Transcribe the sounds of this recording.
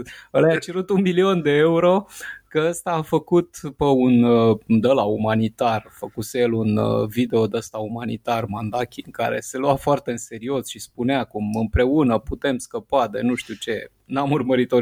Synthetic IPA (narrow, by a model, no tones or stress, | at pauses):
əlajat͡ʃeɾut̪unmilio̞nd̪e̞euɾo̞kəəst̪aːfəkut̪pəund̪əlaumanit̪arfəkusejelunvid̪e̞o̞d̪əst̪aumanḭt̪armand̪akʲiɨŋka̰ɾe̞̰se̞luafoart̪e̞ɨnse̞ɾio̞sʃispuneakumɨmpɾe̞unəput̪e̞mskəpad̪e̞nuʃt̪iut͡ʃe̞ | namurməɾit̪o